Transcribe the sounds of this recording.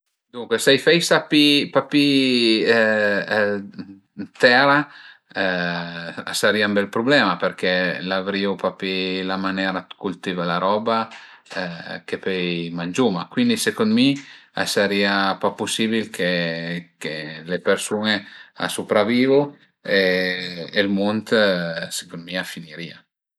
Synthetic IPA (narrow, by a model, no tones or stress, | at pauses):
d̪uŋkwesajfɛjsapipapi | t̪ɛɾa | a̰saɾiːambɛlpɾoblɛːmaperkɛlavɾiːopapilamanɛːɾakult̪iːvalaɾɔba | kepɛjmand͡ʒumakwind̪isekond̪mia̰saɾiːapapːusiːbilkʰekelepersunea̰supɾaviːvo | eː | lmont̪se̥kond̪miafiniɾiːa